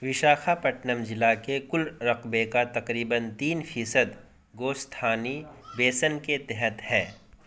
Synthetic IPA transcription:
ʋɪʃaːxʰapɐʈnəmd͡ʒɪlakekʊlɾɐqbekat̪ɐqɾiːbənt̪iːnfʰiːsəd̪ | ɡoːst̪ʰaːnibeːsənket̪ɛɦət̪hɛː

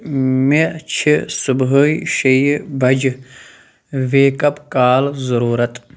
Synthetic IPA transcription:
met͡ʃʰisubɦəiʃɐjbɐd͡ʑ | ʋeːkɐpkaːlzɐɾuːɾɐt̪

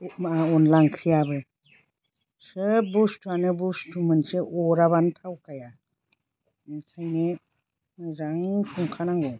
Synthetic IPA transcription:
maaɔnlaŋkʰɾijabɯ | sɯbustuanɯbustumɯnseʔɔɾaβantʰawkaja | kʰajne | mɯzaŋpʰuŋkʰanaŋɡo

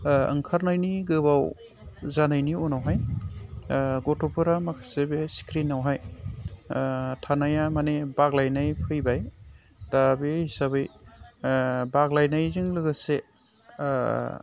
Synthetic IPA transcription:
ɯ̰ŋkʰaɾnajniɡɯbaw | zanajnionawɦaj | ɡɔtopʰɯɾamakʰḁsebeskʰɾinawɦaj | tʰanajamanebaɡlajnajpʰɯjbaj | d̥abehisaβɯj | baɡlajnajzɯŋlɯɡɯse

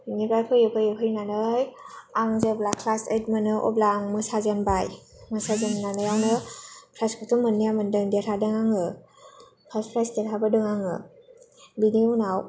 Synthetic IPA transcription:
nibajpʰɯjɯpʰɯjɯpʰɯjnanɯjaŋzeblakʰːlaset̚mɯnɯʔɔ̰blaŋmɯsazanbajmɯsazannanɯjawnɯpʰɾajskʰɔtʰumːɯnːijamɯndɯŋdeɾʰadɯŋaŋɯ | pʰaspʰɾajsdeɾʰabɯdɯŋaŋɯ | biniunaw

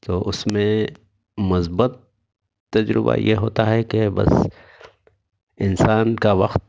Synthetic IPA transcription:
t̪oːʔʊsmẽ | mʊsbət̪̚ː | ɐd͡ʒɾɪba̰jʔḛɦoːt̪aɦɛkebɐ̰s | ɪnsaːnkaʋɐqt̪̚

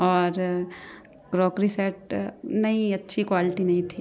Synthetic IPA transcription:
ɔːɾ | kɾoːkɾisɛʈnɐɦĩɐtːʃʰikwaːlɪʈinɐɦĩt̪ʰi

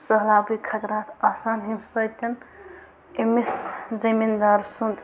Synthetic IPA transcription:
səɦlaːbujkʰɐt̪ɾaːt̪ʰaːsaːnɦimsɐjt̪ʲɐn | emiszimind̪aːɾsund̪

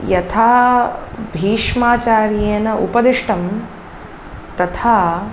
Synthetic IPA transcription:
jɐt̪ʰaː | bʱiːʂmaːt͡ʃaːɾjeːnɐʔṵpɐd̪iʂʈɐm | t̪ɐt̪ʰaː

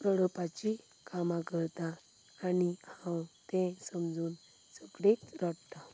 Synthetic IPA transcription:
pɾəɽɔpat͡ɕi | kamakəɾt̪aː | nihãwt̪ẽsəmd͡zuːn | səɡɽet͡s̪ɾəɽt̪a

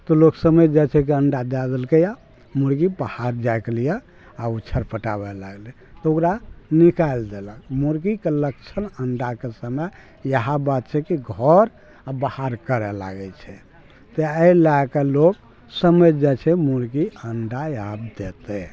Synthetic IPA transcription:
t̪ɔloksəməjd͡ʒɛt͡ʃʰɛkiəɳɖad̪ad̪elkeja | muɾɡibahaɾd͡ʒaekelija | aut͡ʃʰəɾpəʈabɛla̰ɡli | t̪ɔokɾanikaeld̪eləkmuɾkikelək̚t͡ʃʰənəɳɖakesəmə | jəɦabat̪̚t͡ʃʰɛkiɡʱɔɾ | abahaɾkəɾɛla̰ɡɛt͡ʃʰɛ | t̪eəilakeloɡ | səməjd͡ʒat͡ʃʰɛmuɾɡiəɳɖajabd̪et̪ɛ

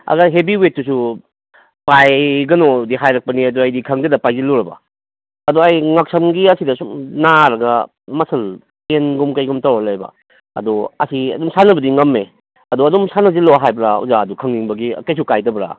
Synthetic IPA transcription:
ɐ̰ɡajɦebiwet̚ːusu | pajɡɐnodiɦajɾɐk̚pɐniɐduajdikʰɐŋdɐdɐpajzilɔɾɐbɐ̰ | ɐdoajŋɐk̚sɐmɡiɐsidɐsunaɾɐɡɐ | mɐsɐl | enɡumkɐjɡumtawɾɐlajbɐ̰ | ɐ̰dɔɐ̰siɐ̰dɔmsanɐbɐdiŋɐmːe | ɐdɔɐdɔmsanɐziloaɦajbɾaṵzaːdukʰɐŋniŋbɐɡḭkɐjs̬ukajtɐbɾa̰

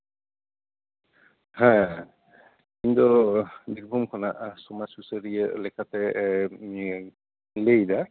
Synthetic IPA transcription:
ha | kindɔdiɡbʱumkʰɔnaʔsɔmasusəɹiɛlɛkʰatɛ | lejda

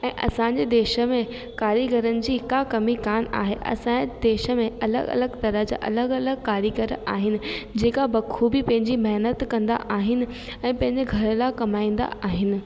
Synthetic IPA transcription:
ɛ̃ːʔɐ̰sãɲd͡ʑeːd̪eːʃə̆mẽ | kaːɾjiɡɐɾənɪ̆d͡ʑiːkakɐmikaːma̰ːɦeʔɐ̰sãed̪eːʃə̆mẽɐlə̰ɡɐ̰ləɡt̪ɐɾəɦd͡ʑa̰ːʔɐ̰ləɡɐləɡkaːɾjəɡəɾaːɦɪnɪ̆d͡ʑeːkabɐkʰubɪpɐ̃ɦɪ̃ɲd͡ʑimɐɦnət̪kɐ̃nd̪a̰ʔaːɦɪnɪ̆ | ɛ̃ːpɐ̃ɦɪ̃ɲd͡ʑeɡʱɐɾəlakɐmaːĩːn̆d̪a̰ʔaːɦɪnɪ̆

